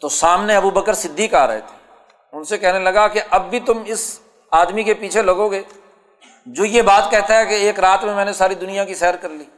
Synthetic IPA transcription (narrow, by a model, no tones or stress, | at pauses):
t̪osaːmneɐbubəkəɾsɪd̪ʱːiːkaːɾɐ̰ɦḛt̪ʰe̥ | ʊnsekɛɦnelɐɡakeʔɐbbʱit̪ʊmɪs | aːd̪mikepiːt͡ʃʰelɐɡoːɡeː | d͡ʒoːjebaːt̪kɛɦt̪aɦɛkeeːkɾaːt̪mẽmɛ̃ːnesaːɾid̪ʊnijakisɛːəɾkɐɾliː